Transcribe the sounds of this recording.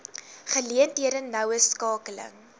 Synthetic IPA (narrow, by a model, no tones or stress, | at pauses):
χəliəntiəɾənːɐwəskɑːkələ̰ŋ